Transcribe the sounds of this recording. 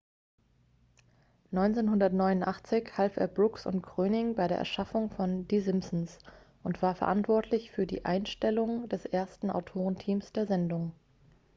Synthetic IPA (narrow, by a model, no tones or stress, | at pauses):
nɔʏnt͡seːnɦʊndɐtnɔʏnʊntʔaχt͡sɪçhalfḛːɐbʁʊksʊ̰ntɡ̥ʁ̥øːnɪŋbaɪɾeːɐʔɛɐʃafʊŋfɔndiːzɪmsn̩s | ʔʊntv̥aːɐfɛɐʔantv̥ɔɐtʰlɪçfyːɐdḭːʔa̰ɪnʃtɛlʊŋdɛsʔeːɐstn̩a̰ʊtʰoːʁ̞əntʰiːmsd̥eːɐzɛndʊŋ